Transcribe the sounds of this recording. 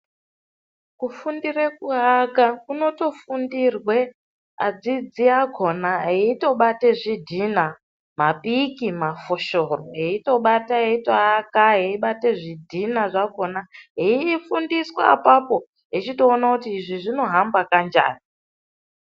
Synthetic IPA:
kufundirek̚uɦakakuno̞to̞fundirwe̞ | a̰d͡zid͡ziaɡʱo̞naɦeito̞ɓateʐidʱina | mapikimafoʃoroɦeito̞ɓataɦeitoɦakaɦeiɓateʐidʱinaʐako̞naɦeifundiswa̰a̰papo̞ | ɦet͡ʃito̞ːnakutiːʐiʐino̞ɦambakand͡ʒa̰ːni

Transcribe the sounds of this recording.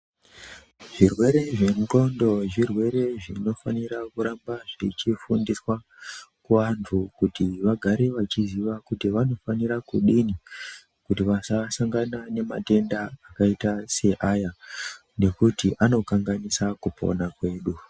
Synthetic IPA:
ʐirwe̞ɾe̞ʐenɡo̞ndo̞ʐirwe̞ɾe̞ʐino̞faniɾakuɾambaʐit͡ʃifundiswa | kuʋantʰukutiʋaɡʱaɾeʋat͡ʃiziʋakutiʋano̞faniɾakuɗini | kutiʋasasaŋɡanane̞ma̰te̞ndaːkaitase̞ʔaja | ne̞kutiʔano̞kaŋɡanisakupʰo̞̰nakwe̞ːɗu

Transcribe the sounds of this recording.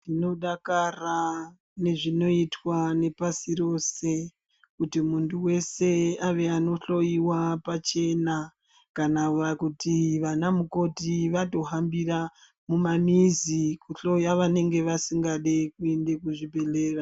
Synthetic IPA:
ndino̞ɗakara | ne̞ʐino̞itwane̞pasiɾo̞se̞ | kutimuntʰuwe̞se̞aʋe̞ano̞ɬo̞jiwapat͡ʃe̞na | kanaʋakutiʋanamuko̞tiʋato̞ɦambira | mumamizikuɬo̞jaʋane̞ŋɡe̞ʋasiŋɡaɗekue̞nde̞kuʐibʱe̞le̞ːra

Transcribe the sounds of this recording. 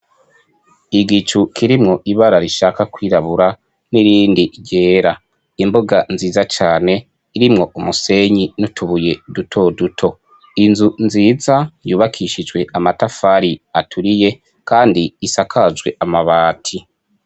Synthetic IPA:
iɡit͡ʃukʰiɾimŋo̞ʔiβaɾaɾiʃakakwiːɾaβuɾa | niɾiːndiɟe̞ːɾa | imboɡanziːzat͡ʃaːne̞ | iɾimŋo̞umuse̞ɲinutʰuβuje̞dutʰo̞dutʰo̞ | inzunziːzajuːβakʰiʃid͡ʒwe̞ʔamatafaɾiatʰuɾije̞ | kaːndiːsakʰazɡwe̞ʔamaβaːtʰi

